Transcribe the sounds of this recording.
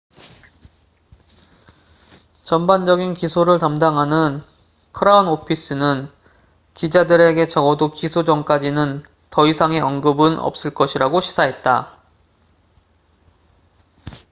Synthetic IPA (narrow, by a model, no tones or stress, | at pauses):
t͡ɕʌmband͡ʑʌɡinkisʰoɾɯɭtamdaŋɦanɯn | kʰɯɾaunopʰis͈ɯnɯn | kid͡ʑadɯɾe̞ɡe̞t͡ɕʌɡʌdokisʰod͡ʑʌŋk͈ad͡ʑinɯn | tʌisʰaŋe̞ʌnɡɯbɯnʌ̰p̚s͈ɯɭk͈ʌɕʰiɾaɡoɕʰi̥sʰaɦe̞t̚t͈a̰